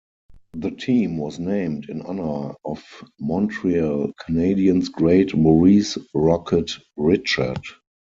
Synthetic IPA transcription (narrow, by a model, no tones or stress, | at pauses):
ðətʰĩːmwɔsnẽɪ̃mtɪ̃nanə˞ɔfmɔ̃ntʰɹialkʰəneɪdiə̃nsɡɹeɪtmɔɹiːsɹɔkʰət | ɹɪt͡ʃə̰˞d